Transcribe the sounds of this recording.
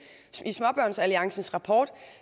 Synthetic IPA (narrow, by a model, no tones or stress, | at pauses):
ismɒ̽b̥ɶɐ̰nsæliɑ̈ŋsn̩sʁɑ̈pʰɒ̰ːd̥